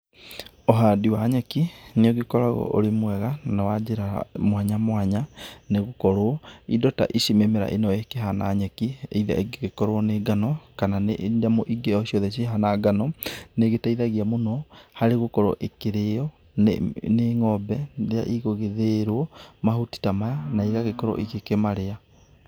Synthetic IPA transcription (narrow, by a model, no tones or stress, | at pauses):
oɦadiwaɲɛkineɔɡekɔɾaɣɔ̰ʔo̰ɾemwɛɣanawad͡ʒeɾamwaɲamwaɲaneɣokɔɾoɔidɔta̰ʔiʃimemeɾa̰ʔenɔekeɦana̰ɲɛkiḛiða̰ʔeɡɣekɔɾoɔneɡanɔkananeʔndamoʔiɡeɔʃiɔðɛʃ̬eɦanaɡanɔneɣetaiðaɣiamonɔhaɾeɣokɔɾɔ̰ʔekeɾeɔ̰ | neŋɔbɛðea̰ʔiɣoɣeðeɾwɔmaɦuti̥tamaanaiɣaɣekɔɾɔ̰ʔikekemaɾea